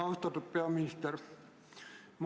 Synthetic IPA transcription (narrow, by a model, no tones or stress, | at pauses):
ɑust̪ɑt̪uppeæmːinist̪er | m